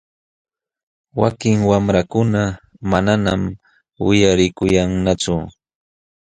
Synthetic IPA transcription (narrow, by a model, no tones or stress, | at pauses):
wakɪŋwamɾakʊna | mananam | wɪjaɾɪkʊjaŋnat͡sʊ